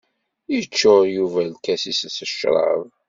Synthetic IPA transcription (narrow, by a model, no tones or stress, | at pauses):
jət͡ʃːoɾjuvælkæsissəʃɾˤɑ̰ðˤ